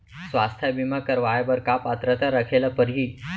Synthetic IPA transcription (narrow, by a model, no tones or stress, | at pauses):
sʋast̪ʰjabimakəɾʋajabəɾkapat̪ɾət̪aɾakʰelapəɾɦiː